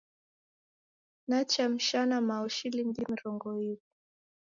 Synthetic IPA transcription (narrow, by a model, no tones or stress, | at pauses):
nat͡ʃam̩ʃanamaɔʃiliŋɡimiɾɔŋɡɔivi